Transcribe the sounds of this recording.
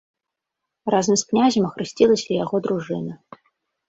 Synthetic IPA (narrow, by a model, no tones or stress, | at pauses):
razɐmsknʲaʒʲɐmɐxɾɨsʲtʲilˠɐsʲɐjaɣɔd̪ɾuʐɨnɐ